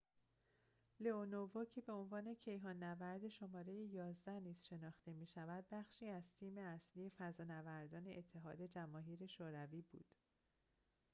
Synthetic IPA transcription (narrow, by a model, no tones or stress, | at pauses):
leonovoːcʰe̞be̞o̞nvɒːne̞cʰe̞jɦɒːnːævæɾd̪e̞ʃo̞mɒːɾe̞jejɒːzd̪æniːz̥ʃe̞nɒːxt̪e̞miːʃævæd̪̚bæχʃiːæzt̪ʰiːme̞æsliːje̞fæzɒːnævæɾd̪ɒːne̞ʔet̪ʰːe̞ɦɒːd̪e̞d͡ʒæmɒːɦiːɾe̞ʃoːɾæviːbṵːd̪̥